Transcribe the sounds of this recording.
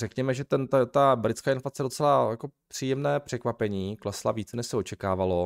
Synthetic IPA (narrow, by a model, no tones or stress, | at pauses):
rɛkɲɛmɛʒɛt̪ɛnt̪ɛt̪abɾɪt͡skaːɪnflat͡sɛdo̞t͡sɛlajako̞pr̝̥iːjɛmnɛːpr̝̥ɛkvapɛɲiːklɛslaviːt͡sɛnɛʃsɛo̞t͡ʃɛkaːvalo̞